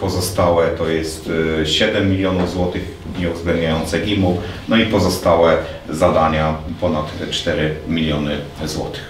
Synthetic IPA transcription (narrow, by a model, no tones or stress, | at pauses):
pɔzɔst̪awɛt̪ɔjɛst̪ɕɛd̪ɛmːʲilʲjɔnuvzwɔt̪ɘx | ɲɛuvzɡlɛnd̪̚ɲajɔnt̪sɛɡʲimunɔipɔzɔst̪awɛ | zad̪aɲapɔnat̪t͡ʂt̪ɛɾɘmʲilʲjɔnɘ | zwɔ̰t̪ɘ̥x